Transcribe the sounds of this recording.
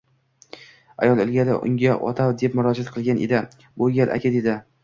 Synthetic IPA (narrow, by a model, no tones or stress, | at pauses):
a̰jɒlˠɪlɡʲalɪ̰ʔʊ̰ŋɡʲaʔɒ̰t̪ʰawd̪epmʊɾɒd͡ʒat̪̚qʰɨlˠɡʲanʔḛd̪ɪ | bolˠɡʲalʔa̰kʲʰad̪ed̪ɪ